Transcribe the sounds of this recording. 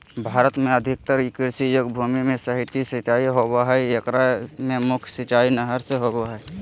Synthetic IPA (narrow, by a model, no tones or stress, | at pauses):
bʱaːɾət̪mẽəd̪ʱɪk̚t̪əɾkɪɾsijoɡbʱuːmimẽsəɦɪt̪isɪt͡ʃaːiɦoːɡaɦɛjəkɾamẽmʊkʰjsɪt͡ʃaːinəɦəɾseɦoːɡaɦɛː